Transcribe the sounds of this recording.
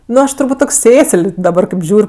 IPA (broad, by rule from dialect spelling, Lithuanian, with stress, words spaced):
ˈnʊ ˈɐʃ tʊrˈbuːtʲ toːkʲ ˈsʲeːsəlʲ dɐˈbɐr kɐɪp ˈʒʲuːrʲ